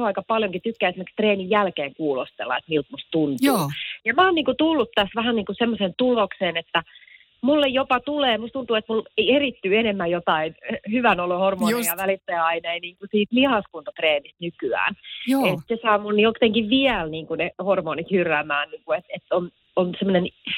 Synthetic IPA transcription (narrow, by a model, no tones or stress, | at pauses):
ɑikɑpɑljoŋkit̪ykːæːesimekst̪reːnijjælkeːŋkuːlost̪ḛlːɑ̰et̪milt̪must̪t̪unt̪uːjɑmæːniːŋkut̪ulːut̪ːæsʋæhænniːŋkusemːosent̪ulokseːnet̪ːæ | mulːejjopɑt̪uleːmust̪unt̪uːet̪muleierit̪ːyːenemːæjjot̪ɑinhyʋænolohormoːniɑʋælit̪ːeːɑineiniːŋkusiːt̪mihɑskunt̪ot̪reːnist̪nykyæ̰ːnet̪sesɑːmunːjokt̪eŋkiʋʋiælniːŋkunehormoːnit̪hyrːæmæːnniːŋkuet̪et̪ːon | onsemːonen